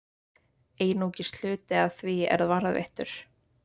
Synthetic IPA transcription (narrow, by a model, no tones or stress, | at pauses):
eːjnuːcɪst̪l̥ʏːt̪ɪaðθviɛ̰ɾaðvaɾaðvɛ̰ht̪ʏ̰ɾ̥